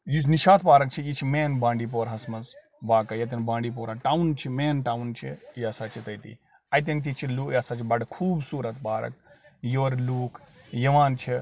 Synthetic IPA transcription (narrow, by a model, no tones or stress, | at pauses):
jusniʃaːt̪paːɾɐk̚t͡ʃʰijit͡ʃʰimeːnbãːɳɖiːp̬oːɾɦɐsmɐz | ʋaːkɐjɐt̪̬ʲɐnbãːɳɖip̬oːɾaʈaːwnt͡ʃʰimeːnʈaːwnt͡ʃʰijɐsaːt͡ʃʰit̪ɐjt̪ḭː | ɐjt̪̬ʲɐnt̪̬it͡ʃʰiluːkjɐːsaːt͡ʃʰibɐɽkʰuːbsuːɾɐt̪paːɾɐ̰kjoːɾluːkʰjɐʋaːnt͡ʃʰi